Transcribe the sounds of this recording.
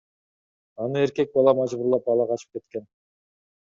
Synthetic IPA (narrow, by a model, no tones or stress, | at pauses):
ɑnɯe̞ɾkʲe̞k̚bɑlˠɑmɑʒbʊɾlˠɑp̚bɑlˠɑqʰɑt͡ʃɯ̥p̚ke̞t̪kʲe̞n